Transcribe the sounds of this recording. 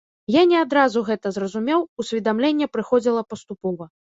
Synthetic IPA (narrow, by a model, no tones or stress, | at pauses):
janʲɛad̪ɾazuɣɛt̪ɐzrɐzumʲɛwusʲvʲid̪amlʲenʲːɛpɾɨxɔd͡zʲilˠɐpɐst̪upɔvɐ